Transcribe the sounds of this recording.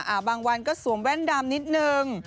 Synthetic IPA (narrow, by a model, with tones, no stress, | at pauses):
ʔaː˨˩baː˧ŋwa˧nkɔː˥˩su˨˩˦əŋwɛ˥˩ndaː˧mni˦˥t̪̚nɯ˧ŋ